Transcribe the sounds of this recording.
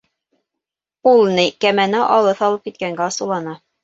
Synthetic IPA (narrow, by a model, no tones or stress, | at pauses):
ulˠnikæmænæʔɑlˠɤθɑlˠɤp̚kit̪̚kæŋɡæɑsɤ̆lˠɑnɑ